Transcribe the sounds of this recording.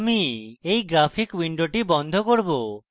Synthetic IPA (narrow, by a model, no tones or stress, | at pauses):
miejɡɾapʰikwiɳɖoʈibɔnd̪ʱokoɾbo